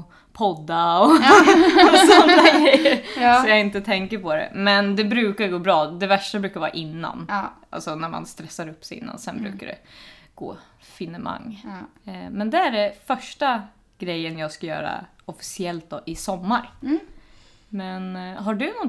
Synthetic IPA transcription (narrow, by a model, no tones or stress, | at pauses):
pʰɔd̪ːaɔ | sɔnːaɡɾɛɛjəsɔjaːɡɪnt̪ət̪ʰɛŋkəɾpʰɔd̪ɛ̰mɛnd̪ɛbɾʉ̟ːkaɾɡoːbɾɑːd̪ɛvæʂʈabɾʉ̟ːkaɾvɑːɾa̰ʔɪnːa̰n | a̰lsɔnæɾma̰nst̪ɾɛsːaɾɵpːsɛjɪ̰nːa̰nsɛnbɾʉ̟ːkaɖɛ̰ɡ̥o̰ː | fɪnəma̰ŋː | mɛnd̪ɛæɖɛfœʂʈa | ɡ̥ɾɛjːənjɑːɡskajœ̰ːɾa̰ | ɔfɪ̥sɪɛlt̪̚d̪ɔːʔɪsɔmːaɾ | mɛnɦaɖɵnɔ